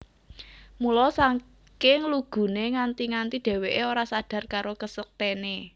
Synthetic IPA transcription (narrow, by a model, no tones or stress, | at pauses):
mulɔsaŋ | kɪŋluɡ̥ṳneŋant̪iŋant̪iɖ̥e̤weʔeoɾasaɖ̥ä̤rkaɾokəsək̚t̪ene